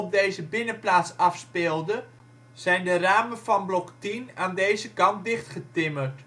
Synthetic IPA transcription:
ɔb̚dejzəbɪnəplaːtsɑfspɪlˠdə | z̥ɛjndəraːməfɑnblɔktinaːndejzəkɑnt̚dɪχtχətɪmərt

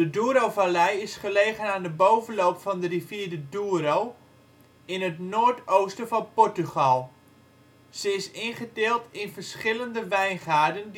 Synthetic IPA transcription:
dəduːəɾowvalɛjɪsχəleːɣənaːndəbowvənloːpfɔndəriviːdəduːəɾow | ɪnətnoːrtoːstəvɔnpɔɹtyχɑlˠ | z̥əɪsɪnχəteːlˠtɪnfərsχɪləndəʋɛjnχaːdən

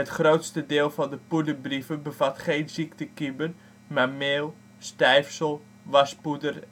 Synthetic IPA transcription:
ətχrowtstədɪːlˠfɔndəpudəbrivəbəfatχejnziktəkibər | mameːlˠ | stɛjfsəlˠ | ʋaspudər

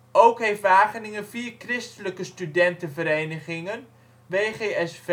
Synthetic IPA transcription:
owkɦejftʋaːχənɪŋənviːrkrɪstələkəstydɛntənvəɾejnəχɪŋən | ʋeːχeːɛsv

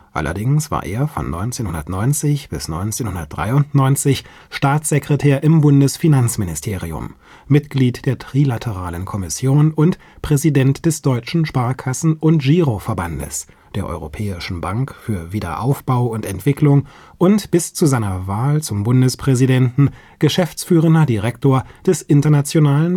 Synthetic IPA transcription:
ʔa̰lʔɐ̰dɪŋsv̥a̰ɐʔḛːɐfɔ̰nːɔ̰ʏnt͡seːnhʊndɐtnɔʏnt͡sɪçb̥ɪsnɔʏnt͡seːnhʊndɐt̚d̥ʁa̰ɪʊntnɔʏnt͡sɪç | ʃtaːt͡sz̥ekʁ̥ɛtʰeːɐʔɪmbʊndəsfinant͡smɪnɪstʰeːʁiʊ̰mː | ɪtɡ̥liːtd̥eːɐtʁ̥ilatʰəʁ̞aːlənkʰɔmɪsjoːnʊnt | pʁ̥ɛzidɛntd̥ɛsd̥ɔʏt͡ʃn̩ʃpaɐkʰasn̩ʔʊntʒ̥iːʁofɛɐba̰ndə̰s | d̥eːɐʔɔ̰ʏʁopʰɛːɪʃn̩baŋkfyːɐviːdɐ̰ʔa̰ʊfb̥aʊʊntɛntv̥ɪklʊŋ | ʔʊntb̥ɪst͡suzaɪnɐvaːlt͡sʊmbʊndəspʁ̥ɛzidɛntn̩ | ɡ̥əʃɛft͡sfyːʁ̞əndɐdiʁɛktoːɐd̥ɛsʔɪntɐnat͡sjonaːlən

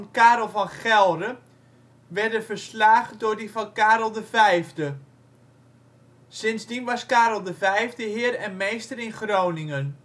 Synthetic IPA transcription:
nkaːɾəlˠvɑnχɛlˠdə | ʋɛrdəvərslaːχdʊɹdivɔnkaːɾlˠdəvɛjvdə | sɪnzdinʋɑskaːɾl̩ˠdəvɛjvdəɦɪərɛnmejstəɾɪnχrownɪŋən

